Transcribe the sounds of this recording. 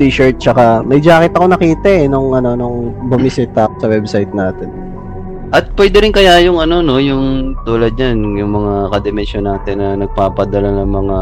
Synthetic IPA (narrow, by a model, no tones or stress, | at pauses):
t̪iːʃɐɹt̪̚t͡ʃɐkamɐjd͡ʒaːkɪt̪ɐko̞nɐkiːt̪ɐʔɛnoŋʔɐno̞noŋbʊmɪsɪt̪ɐk̚sɐwɛbsajt̪̚naːt̪ɛn | ʔɐt̪̚pwɛd̪ɛɾɪnkɐjajʊŋɐno̞no̞jʊŋt̪uːlɐd̪̚ɲanjʊŋmɐŋakɐd̪ɛmɛnʃonːaːt̪ɪnːɐnɐɡ̚paːpɐd̪ɐlanɐŋmɐŋa